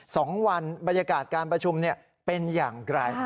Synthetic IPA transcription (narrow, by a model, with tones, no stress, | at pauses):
sɔː˩˦ŋwa˧nba˧nja˧kaː˨˩t̪̚kaː˧npɾa˧t͡ɕʰu˧mni˥˩ɐ | pe˧njaː˨˩ŋɾa˧j